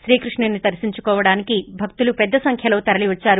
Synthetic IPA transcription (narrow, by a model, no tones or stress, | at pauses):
ʃɾiːkɾuʂɳɐnːit̪ɐɾɐsiɲt͡ʃukɔːʋɐɽaːnikibʱɐk̚t̪ulupɛd̪ːɐsɐŋkʰjɐlo̞ːt̪ɐɾɐliʋɐt͡ʃːaːɾu